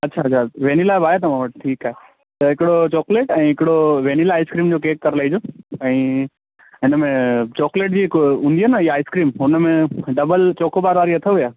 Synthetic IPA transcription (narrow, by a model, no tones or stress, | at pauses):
ɐtːɕʰat͡ɕʰaʋeːnilaːɪbaːɦet̪ɐʋ̤ãʋɐʈ̚ʈʰiːkaːɦe | t̪ɐɦɪkɪɽot͡ɕɔːkleːʈɛ̃ːɦɪkɪɽoʋeːnilaːɪskɾiːmd͡ʑoːkeːkːɐɾlaːid͡ʑoːɛ̃ː | ɪnəmẽt͡ɕɔːkleːʈ̬̚d͡ʑiːɦɪkɦũːn̆d̪iɦaːnəiːaːɪskɾiːmɦʊnəmẽɖɐbəlt͡ɕoːkʰobaːɾʋaːɾiɐt̪ʰəʋujaː